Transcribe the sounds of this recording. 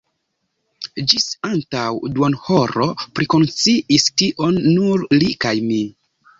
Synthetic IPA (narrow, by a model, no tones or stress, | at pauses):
d͡ʒisantawdwonhoɾo̞pɾiko̞nt͡siʔistiʔo̞nːuɾlikajmi